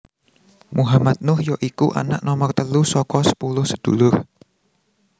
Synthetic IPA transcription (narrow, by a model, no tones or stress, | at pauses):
muɦamat̪̚nʊhjɔʔikuʔa̰naʔnɔmɔrt̪əlusɔkɔsə̥pulʊhsəd̪̥ṵlʊr